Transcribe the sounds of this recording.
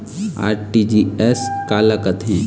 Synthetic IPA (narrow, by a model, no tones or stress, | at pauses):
a̰ːɾʈid͡ʒiːɛskaːlakɐt̪ɦɛ̃ː